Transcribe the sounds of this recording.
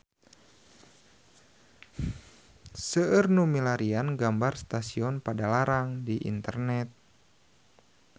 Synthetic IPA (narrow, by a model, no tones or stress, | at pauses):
səərnumilaɾianɡambarst̪asiɔnpadalaɾaŋdiʔḭnt̪ərnɛt̪̚